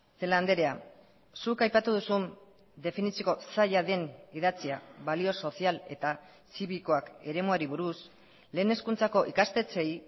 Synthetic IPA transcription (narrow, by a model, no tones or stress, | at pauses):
se̞land̪e̞ɾe̞a | sukajpat̪uð̞usun | d̪e̞finisioko̞saʎaðe̞nið̞at͡siaβalio̞so̞siale̞̰t̪a | siβiko̞ake̞ɾe̞moaɾiβ̞uɾus | le̞ːne̞skunt͡sako̞ʔikast̪e̞t͡se̞j